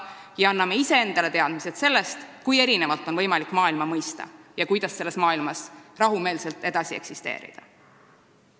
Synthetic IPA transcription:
jɑɑnːɑme̞ise̞e̞nd̪̥ɑle̞t̪e̞ɑd̪̥mise̞t̪se̞lːe̞st̪kuje̞ɾine̞vɑlt̪ːˑo̞nvɤjmɑlikːˑmɑːilmɑmɤjst̪ɑ̰jɑkujd̪ɑse̞lːe̞smɑːilmɑsrɑɦume̞ːlse̞lt̪e̞d̪̥ɑsie̞̰ksist̪e̞̰ːɾḭd̪̥ɑ

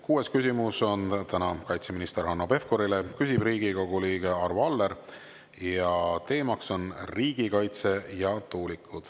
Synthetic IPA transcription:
kuːe̞skysʲimuso̞nt̪ænɑkɑjt̪se̞minist̪e̞ɾhɑnːobe̞fko̞ɾile̞kysʲib̥riːɡ̥iko̞ɡ̥uliːɡ̥e̞ɑrvɑlːe̞ɾ | jɑt̪e̞ːmɑkso̞nriːɡ̥ikɑjt̪se̞jɑt̪uːlikʰːˑud̪̥

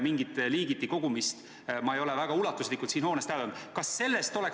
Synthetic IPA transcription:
miŋɡit̪ːˑliːɡit̪ːiko̞ɡ̥umist̪ | mɑejo̞levæɡ̥ɑulɑt̪ːˑuslikːˑult̪siːnho̞ːnest̪æɑnd̪̥kɑsːe̞lːe̞st̪o̞le̞k

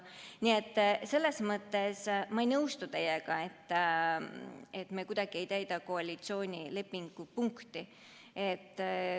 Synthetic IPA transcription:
nie̞t̪ːse̞lːe̞smɤt̪ːe̞smɑejnɤwst̪ut̪e̞jeɡ̥ɑe̞t̪ː | et̪ːmekud̪ɑɡ̥ie̞jt̪æjd̪ɑkoɑlʲit̪sio̞ːnʲile̞pːiŋɡ̥upuŋkt̪i | et̪ˑː

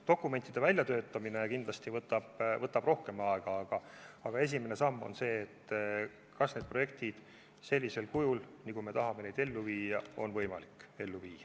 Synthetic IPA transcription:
t̪o̞kːˑume̞nt̪ːid̪̥e̞vælʲjɑt̪ø̞ːt̪ːˑɑmine̞kind̪lɑst̪ivɤt̪ːˑɑb̥vɤt̪ːˑɑb̥ro̞hke̞mɑeɡ̥ɑɑɡ̥ɑɑɡ̥ɑe̞s̬imene̞sɑmːo̞̰nse̞ːt̪ː | kɑsne̞ːd̪̚pro̞je̞k̚t̪id̪̥ | se̞lʲːise̞lkujulnikujme̞t̪ɑɦɑmene̞jd̪̥e̞lːuviːjɑo̞nvɤ̞jmɑlikːe̞lːuviːɑ

